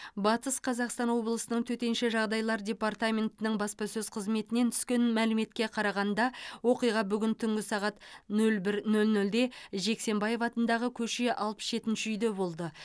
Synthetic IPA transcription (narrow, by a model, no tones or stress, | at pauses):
bɑt̪əsqʰɑzɑqst̪ɑnwo̞blˠəsənəɴt̪ʰɵt̪e̞nʃɪʒɑʁd̪ɑjlˠɑɾdʲe̞part̪amʲe̞nt̪ɪnɪɴbɑspɑsɵzqʰəzme̞t̪ɪne̞nt̪ʰʏ̥skʲe̞nmælɪme̞t̪kʲe̞qʰɑɾɑʁɑnd̪ɑwo̞qijʁɑbʏɡʲɪnt̪ʰʏŋɡʲɪsɑʁɑt̪nɵlbɪɾnɵlnɵld̪e̞ʒe̞kse̞mbɑje̞fɑt̪ənd̪ɑʁəkʲʰɵʃe̞ʔɑlˠpə̥sʒe̞t̪ɪnʃɪʏjd̪e̞bo̞lˠd̪ə